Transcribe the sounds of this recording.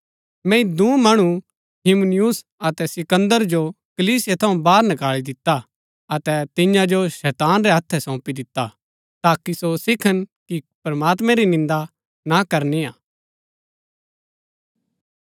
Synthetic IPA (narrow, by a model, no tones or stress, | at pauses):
mɛ̃ɪd̪ũmɐɽ̃u | ɦɪmnɪjus | ɐt̪ɛsɪkə̃nd̪əɾd͡ʒo | kɐliːsɪjɛt̪ʰɐũbaːɾnɐkaːɭid̪ɪt̪ːa | ɐt̪ɛt̪ɪ̃jãd͡ʒoʃɛːt̪aːnɾɛɦɐt̪ʰːɛsɔ̃ːpid̪ɪt̪ːa | t̪aːkisosɪkʰənkipɾɐmaːt̪̬mɛ̃ɾinɪ̃nd̪a | nakɐɾniaː